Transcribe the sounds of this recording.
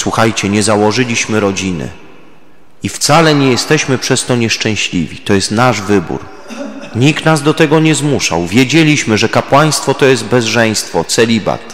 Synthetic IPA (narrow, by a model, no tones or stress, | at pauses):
swuxajt͡ɕɛɲɛzawɔʐɘlʲiɕmɘɾɔd͡ʑinɘ̰ | ift̪salɛɲɛjɛst̪ɛɕmɘpʂɛst̪ɔɲɛʂt͡ʂɛ̃w̃ɕlʲḭvʲḭt̪ɔjɛst̪naʐvɘbṵɾ | ɲikt̪nazd̪ɔt̪ɛɡɔɲɛzmuʂa̰wvʲjed͡ʑelʲiɕmɘʐɛkapwaj̃st̪fɔt̪ɔjɛzt̪̚bɛzʐɛj̃st̪fɔt̪sɛlʲiba̰t̪